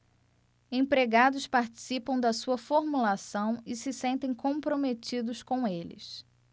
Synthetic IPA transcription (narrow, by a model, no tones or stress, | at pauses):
ẽpɾeɡad̪ʊspaɾt͡ʃi̥sipɐ̃w̃d̪ɐsuɐfoɾmulasɐ̃w̃ɪsɪsẽnt̪ẽj̃kõpɾomet͡ʃid̪ʊskõw̃elɪ̰s